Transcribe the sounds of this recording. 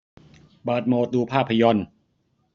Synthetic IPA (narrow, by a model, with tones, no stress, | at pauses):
baː˨˩t̪̚moː˧t̪uː˧pʰaː˥˩pʰːa˧jɔ˧n